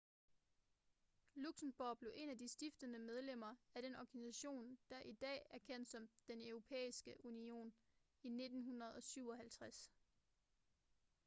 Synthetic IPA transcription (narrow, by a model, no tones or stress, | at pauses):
luɡ̥snb̥oːb̥le̝ʔe̝næd̥isd̥ifd̥ənəmeð̞ˠlem̰ɐæɾ̥enɒɡ̥ænisæɕo̝̰ːnd̥æ̈ʔid̥ɛ̰ːæɐkʰen̰d̥sɒ̽md̥enøʊʁo̝pʰḛːisɡ̥əʔunio̝̰ːn | ine̝d̥n̩ɦunɐð̞̩ˠɒ̽syʊ̰ɒ̽ɦælt͡sʰʁas